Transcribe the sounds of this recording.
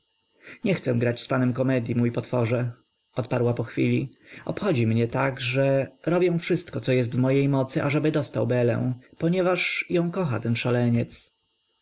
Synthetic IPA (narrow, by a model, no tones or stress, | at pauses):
ɲɛxt̪sɛ̃ɡɾat͡ɕspanɛmkɔmɛd̪ʲjimujpɔt̪fɔʐɛ | ɔt̪paɾwapɔxfʲilʲi | ɔ̰pxɔd͡ʑimɲɛt̪aɡʐɛɾɔbʲjɛ̃w̃fʂɘst̪kɔtsɔjɛs̬t̪vmɔjejmɔt̪sɘʔaʐɛbɘd̪ɔst̪awbɛlɛ̰̃w̃pɔɲɛvaʂjɔ̃w̃kɔxat̪ɛnʂalɛɲɛt̪s